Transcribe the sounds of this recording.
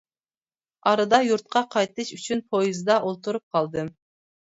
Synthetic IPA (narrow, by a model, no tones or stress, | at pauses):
ɑɾɨd̪ɑjuɾt̪̚qʰɑqʰɑjt̪ɨʃyt͡ʃʰynpʰojizd̪ɑʔolˠt̪uɾup̚qʰɑlˠd̪ɨm